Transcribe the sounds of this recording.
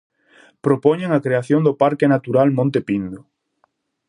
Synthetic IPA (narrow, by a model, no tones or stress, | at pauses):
pɾopɔɲeŋakɾeaθjoŋd̪ʊpaɾkenat̪uɾalmõnt̪epind̪ʊ